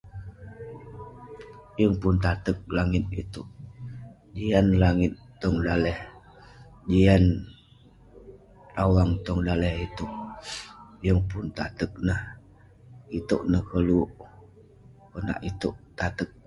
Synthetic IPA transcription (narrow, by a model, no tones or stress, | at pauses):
jəŋpʊnt̪at̪ək̚laŋɪt̪̚ḭt̪uʔ | d͡ʒianlaŋɪt̪ːɔŋdalɛh | d͡ʒian | rawaŋt̪ɔŋdalɛhit̪uʔ | jəŋpʊnt̪at̪ək̚nah | it̪uʔnəhkəluʔ | kəna̰ʔit̪uʔt̪at̪ək̚